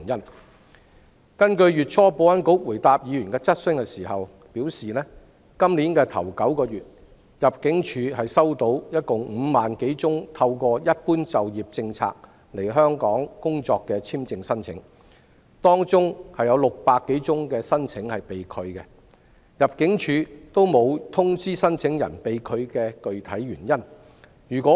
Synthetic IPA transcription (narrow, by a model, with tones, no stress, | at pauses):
jɐ˥n | kɐ˥nkɵ˧ɥjyː˨t̚t͡ʃʰɔː˧po˨˧wɐ˨˥nko˨˥wwuː˨˩jt̪aː˨p̚jiː˨˧ɥy˨˩nkɛː˧t͡sɐ˥t̚sɵ˥ŋkɛː˧siː˨˩hɐ˨w | piː˨˥wsiː˨nɛː˥ | kɐ˥mliː˨˥nkɛː˧t̪ʰɐ˨˩wkɐ˨˥wkɔː˧ɥyː˨t̚ | jɐ˨p̚kɪ˨˥ŋt͡ʃʰyː˨˧ɦɐ˨jsɐ˥wt̪o˨˧˥wjɐ˥t̚kʊ˨ŋm̩˨˧maː˨nke˨˥jt͡sʊ˥ŋt̪ʰɐ˧wkɔː˧jɐ˥t̚puː˥nt͡sɐ˨wjiː˨˩p̚t͡sɪ˧ŋt͡sʰa̰ː˧k̚ | le˨˩ɦœː˥ŋkɔː˨˥ŋkʊ˥ŋt͡sɔː˧kːɛː˧t͡sʰiː˥mt͡sɪ˧ŋsɐ˥nt͡sʰɪ̰˨˥ŋ | t̪ɔː˥ŋt͡sʊ˥ŋhɐ˨jɐ˨˧wlʊ˨k̚paː˧kːe˨˥jt͡sʊ˥ŋkɛː˧sɐ˥nt͡sʰɪ˨˥ŋhɐ˨jpe˨jkʰɵ˨˧ɥkɛ˧ | jɐ˨p̚kɪ˨˥ŋt͡ʃʰyː˨˧t̪o˥wmo˨˧wt̪ʰʊ˥ŋt͡siː˥sɐ˥nt͡sʰɪ˨˥ŋjɐ̰˨˩npe˨jkʰɵ˨˧ɥkɛː˧kɵ˨ɥt̪ʰɐ˨˥jɥyː˨˩njɐ˥n | jyː˨˩kʷɔː˨˥